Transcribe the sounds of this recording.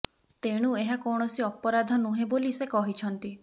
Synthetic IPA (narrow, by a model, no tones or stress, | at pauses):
t̪eɽ̃ueɦakɔɽ̃ɔsiɔpɔɾad̪ʱɔnuɦẽbolisekɔɦit͡ʃʰɔnt̪i